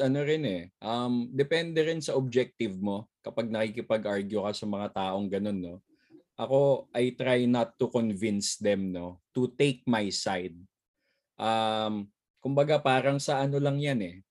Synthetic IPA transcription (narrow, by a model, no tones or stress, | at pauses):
ɐno̞ɾɪnɛʔɐmd̪ɛpɛnd̪ɛɾɪnsɐʔob̚d͡ʒɛk̚t̪ɪvmo̞kɐpaɡ̚nɐkikɪpɐɡʔaɹɡjʊkɐsɐmɐŋat̪aːʔoŋɡɐno̞nːo̞ | ʔɐko̞ʔɐjt̪ɾajnɐt̪ːukonvɪnsd̪ɛmno̞t̪ut̪ejk̚majsajd̪̚ | ʔam | kʊmbɐɡapaːɾɐŋsɐʔɐno̞lɐŋjanɛ